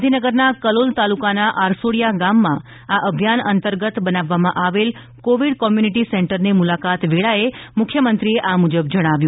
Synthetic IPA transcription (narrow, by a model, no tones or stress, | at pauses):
d̪ʱinəɡəɾnakəlolt̪alukanaʔaɾsoɽijaɡamːã | aʔəbʱjanənt̪əɾɡət̪bənaʋːamãʔaʋel | koʋiɽkɔmjuniʈisɛɳʈəɾnemulakat̪ʋeɭaemʊkʰjəmənt̪ɾieʔamud͡ʒəbd͡ʒəɽ̃aʋjũ